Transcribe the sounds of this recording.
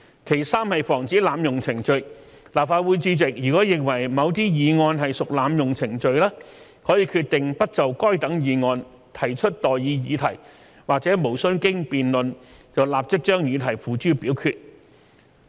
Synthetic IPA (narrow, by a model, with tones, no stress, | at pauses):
kʰe˨˩jsaː˥mhɐ˨jfɔː˨˩ŋt͡siː˨˥laː˨˧mjʊ˨ŋt͡sʰɪ˨˩ŋt͡ʃɵ˨˧ɥ | laː˨p̚faː˧t̚wuː˨˧jt͡syː˧t͡sɪ˨k̚jyː˨˩kɔː˨˥jɪ˨ŋwɐ˨˩jmɐ˨˧wt̪̬iː˥jiː˨˧ŋɔː˧nɦɐ˨jsʊ˨k̚laː˨˧mjʊ˨ŋt͡sʰɪ˨˩ŋt͡ʃɵ˨˧ɥlɛː˥ | hɔː˨˥jiː˧kʰyː˧t̚t̪ɪ˨ŋpɐ˥t̚t͡sɐ˨wkɔː˥jt̪ɐ˨˥ŋjiː˨˧ŋɔː˧n | t̪ʰɐ˨˩jt͡ʃʰɵ˥t̚t̪ɔː˨jjiː˨˧jiː˨˧t̪ʰɐ˨˩j | waː˨k̚t͡sɛː˨˥mo˨˩wsɵ˥nkɪ˥ŋpiː˨nlɵ˨nt͡sɐ˨wlaː˨p̚t͡sɪ˥k̚t͡ʃœː˥ŋjiː˨˧t̪ʰɐ˨˩jfuː˨t͡ʃyː˥piː˨˥wkʰyː˧t̚